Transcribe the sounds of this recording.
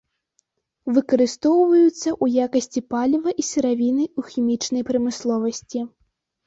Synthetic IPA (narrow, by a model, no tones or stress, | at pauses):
vɨkɐɾɨst̪ɔwvɐjut̪sːɐʔujakɐsʲt͡sʲipalʲivɐʔisɨɾavʲinɨuxʲimʲit͡ʂnɐjpɾɐmɨslˠɔvɐsʲt͡sʲi